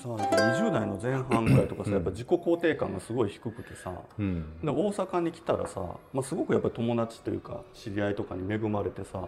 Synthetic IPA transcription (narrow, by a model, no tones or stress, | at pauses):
sajapːaɲɲiʑɨːd̪aino̞zẽ̞ɰ̃ɦãŋkait̪o̞kasajapːaʑiko̞ko̞ːt̪e̞ːkã̰ŋɡasɨɡo̞içi̥kɯ̟kɯ̟̥t̪e̞sa̰d̪eo̞ːsakaɲ̟ikʲi̥t̪aɾa̰sa̰masɨɡo̞kɯ̟japːaɾʲit̪o̞mo̞d̪at͡ɕi̥t̪o̞jɯ̟ːka̰ɕiɾʲiait̪o̞kaɲ̟ime̞ɡɯ̟maɾe̞t̪e̞sa